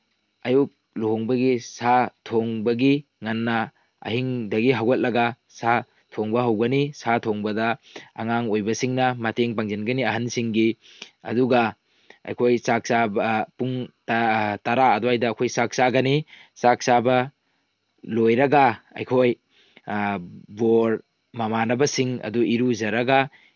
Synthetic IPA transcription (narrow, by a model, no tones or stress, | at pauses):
ɐjuk̚ | loŋbɐɡisatʰoŋbɐɡi | ŋanːɐ | ɐ̰ɦiŋdɐɡiɦawet̚lɐɡa | sa | tʰoŋbɐɦawɡɐnisatʰoŋbɐdɐa̰ŋaŋojbɐsiŋnɐmateŋpaŋzenɡɐniɐɦansiŋɡi | ɐ̰duɡɐ | ɐ̰jkʰojsak̚sabpuŋttɐɾaɐdwajdɐːkʰojsak̚saɡɐnisak̚sabɐ | lojɾɐɡɐɐ̰jkʰoj | boɾ | mɐmanɐbɐsiŋɐ̰duiɾuzɐɾɐɡɐ